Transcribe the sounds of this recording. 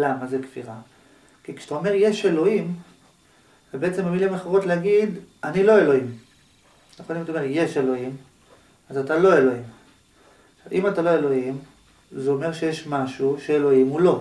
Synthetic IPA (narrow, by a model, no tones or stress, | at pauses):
lamazekfiʁa | kikʃḁtao̞me̞ʁje̞ʃe̞lo̞im | vebeet͡se̞memilimeχaʁo̞t̪leaɡid̪anilo̞e̞lo̞im | jaχolimtomeje̞ʃe̞lo̞im | azatalo̞e̞lo̞im | ʃavḭmatalo̞e̞lo̞im | zeo̞meʁʃe̞jeʃmaʃuʃeelo̞imulo̞